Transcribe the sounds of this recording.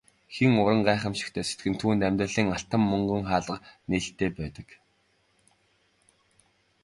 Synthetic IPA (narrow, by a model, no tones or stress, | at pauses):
xiŋʊɾə̆ŋɢæːχə̆mʃɪ̥̆xt̪ʰeːse̥t̪ɡɘ̆nt̪ʰuːnt̪æmʲt̪rə̆ɮiːŋaɬt̪ə̆mːɵŋɡɵ̆ŋχaːɮə̆qneːɬt̪eːpæːt̪ə̆k